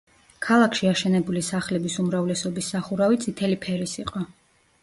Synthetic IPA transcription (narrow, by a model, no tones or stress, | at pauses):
kʰalˠakʰʃiaʃɛnɛbulisaχlɛbisumɾavlɛsɔbisːaχuɾavit̪sʼʰit̪ʰɛlipʰɛɾisiqʼɔ